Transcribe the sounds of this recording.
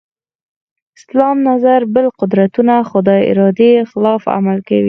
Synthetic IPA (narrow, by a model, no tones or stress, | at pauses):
ɪslɑmnazaɾbəlqʊd̪ɾat̪unaxʊd̪ɑɪ̰ɾɑd̪exɪlɑfa̰malkawi